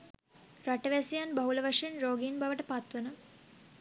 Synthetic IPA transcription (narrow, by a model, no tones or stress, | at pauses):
ɾaʈəʋæsijanbɐɦuləʋaʂenɾoːɡinbaʋəʈəpat̪ʋənə